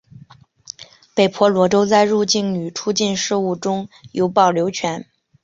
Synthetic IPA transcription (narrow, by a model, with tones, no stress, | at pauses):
pe˨˩ɪpʰwɔ˧˥lwɔ˧˥ʈ͡ʂo˥ʊt͡sa˥˧ɪɻu˥˧t͡ɕi˥˩ŋny˨˩ʈ͡ʂʰu˥t͡ɕi˥˧nʂɻ̩˥˧u˥˩ʈ͡ʂʊ˥ŋjo˧˥ʊpɑ˥˩ʊljo˧˥ʊt͡ɕʰɥɛ˧˥n